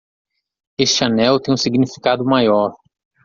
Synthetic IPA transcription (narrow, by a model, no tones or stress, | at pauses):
esanɛwt̪ẽj̃ũsiɡnifi̥kad̪ʊmajɔɾ